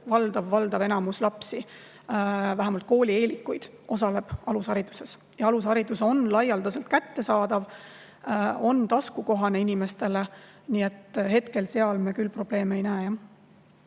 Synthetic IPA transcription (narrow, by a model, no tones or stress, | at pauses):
vɑld̪̥ɑvːɑld̪̥ɑve̞nɑmuslɑpsi | væɦæmɑlt̪̚ko̞ːlʲie̞ːlikːujd̪̥ | o̞sɑle̞b̥ɑlushɑɾit̪u̥se̞s | jɑɑlushɑɾid̪uso̞nlɑjɑld̪̥use̞lt̪̚kæt̪ːe̞sɑːd̪̥ɑv | o̞nt̪ɑskuko̞ɦɑne̞inime̞st̪e̞le̞ | niːe̞t̪ːɦe̞t̪ke̞lse̞ɑlmekylpro̞b̥le̞ːmeejnæːjɑ